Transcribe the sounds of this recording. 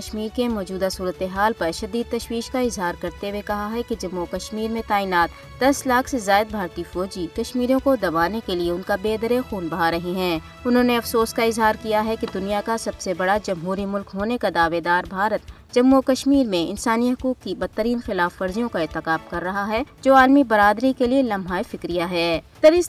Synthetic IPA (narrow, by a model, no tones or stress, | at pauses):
ʃmiːɾkemɔːd͡ʒuːd̪asuːɾət̪eɦaːlpɐɾʃɐd̪iːd̪̚t̪ɐʃwiːʃkaɪzɦaːɾkɐɾt̪ewekɐɦaɦɛked͡ʒɐmːokɐʃmiːɾmẽt̪aːiːnaːt̪ | d̪ɐslaːkʰsezaːɪd̪̚bʱaːɾt̪ifɔːd͡ʒikɐʃmiːɾõkod̪ɐbaːnekelieʊnkabeːd̪ɾexuːnbɐɦaɾɐɦiɦɛ̃ː | ʊnɦõneɐfsoːskaɪzɦaːɾkijaɦɛked̪ʊnijakasɐbsebɐɽad͡ʒɐmɦuːɾimʊlkɦoːnekad̪aːʋed̪aːɾbʱaːɾət̪̚ | d͡ʒɐmːokɐʃmiːɾmẽɪnsaːniɦɐkuːkːibɐd̪̚t̪ːəɾiːnxɪlaːfːɐɾzijõkaɪːɾt̪ɪkaːmkɐɾːɐɦaɦɛd͡ʒoːaːlmibɐɾaːd̪ɾikelielɐmɦaːifɪkɾijaɦɛːt̪ɐɾɪs